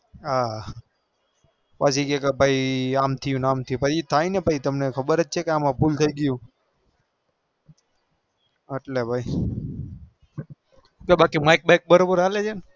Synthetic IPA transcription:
a | pasikekebʱaiamt̪ʰəjũnamt̪ʰijũpət͡ʃit̪ʰainepət͡ʃʰit̪əmnekʰəbəɾətːt͡ʃʰekeamãpult̪ʰəiɡəjũ | əʈlebʱai | kebakimajk̚bek̚bəɾobəɾɦaled͡ʒen

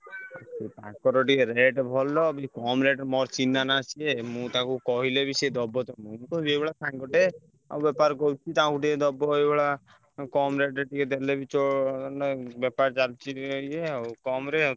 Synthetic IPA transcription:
at͡ʃit̪ã̰kkːɔɾɔʈikeɾeʈbʱɔlːɔbikɔmɾeʈmɔɾt͡ʃinːanat͡ʃʰiemũt̪ãkukɔɦilebised̪ɔbːɔt̪ɔmunkobiebɔɭasãŋɡɔʈe | a̰wbɛpaɾkɔwt͡ʃʰit̪ãkuʈiked̪ɔbːɔɦɔjbeɭa | kɔmɾeʈeʈiked̪elebit͡ʃɔ | bɛpaɾt͡ʃalt͡ʃʰiɦojeakɔmɾe

